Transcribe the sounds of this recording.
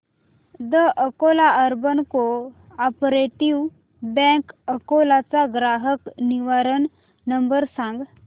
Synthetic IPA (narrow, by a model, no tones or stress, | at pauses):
d̪əʔəkolaəɾbənko | ɔpɾeʈiʋ | bɛ̃kəkolat͡saɡɾaɦəkniʋaɾən | nəmbəɾsãŋɡ